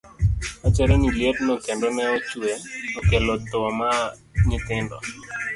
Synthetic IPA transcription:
at͡ʃɛɾeniljednɔkendɔnɛɔt͡ʃweɔkelot̪ʊɔma | ɲɪt̪ɪndɔ̰

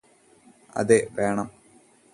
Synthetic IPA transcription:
ɐ̰ðeʋeːɳɐm

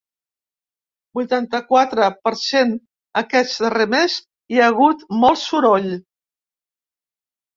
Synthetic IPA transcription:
bujt̪ant̪əkwat̪ɾəpəɾsen | əkɛt͡s̪əremɛz | iaɣ̞ut̪mɔlˠsuɾɔʎ

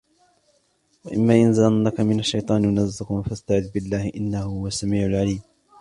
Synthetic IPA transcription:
waʔɪ̰mːaːʔɪnzanːakamɪnaʃːajt̪ˤɑːnmʊnazːɪqʊnfast̪aʕɪðːbɪlːaːhɪʔɪnːahʊhʊwasːamiːʕʊlʕaliːm

